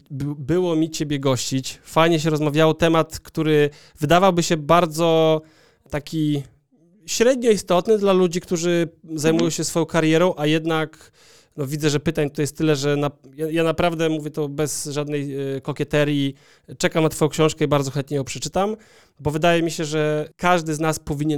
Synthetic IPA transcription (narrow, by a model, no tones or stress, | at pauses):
bɘwɔmʲit͡ɕebʲjɛɡɔɕt͡ɕit͡ɕfajɲɛɕ̬ɛɾɔzmavʲjawɔt̪ɛmat̪kt̪uɾɘ | vɘd̪avawbɘɕɛbaɾd̪zɔ | t̪akʲi | ɕɾɛd̪ɲɔist̪ɔt̪nɘd̪lalud͡ʑikt̪uʐɘzajmujɔ̃w̃ɕɛsfɔjɔ̃w̃kaɾjɛɾɔ̃w̃ʔajɛd̪nak | nɔvʲid̪zɛʐɛpɘt̪aɲt̪t̪ɔjɛst̪ːɘlɛʐɛnajajanapɾavd̪ɛmuvʲjɛt̪ɔbɛsʐad̪nɛjkɔkʲɛt̪ɛɾʲji | t͡ʂɛkamnat̪fɔjɔ̃kɕɔ̃w̃ʂkɛibaɾd̪zɔxɛnt̪̚ɲɛjɔ̃wpʂɛt͡ʂɘ̥t̪am | bɔvɘd̪ajɛmʲiɕɛʐɛkaʐd̪ɘznaspɔvʲiɲɛ